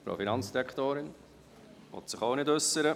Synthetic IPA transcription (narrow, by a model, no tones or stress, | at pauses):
pɾo̰finɑnt͡sd̥iɾɛkχt̪oːɾɪn | ʋɔ̰t̪sɪχoʊnɪdɵsːəɾə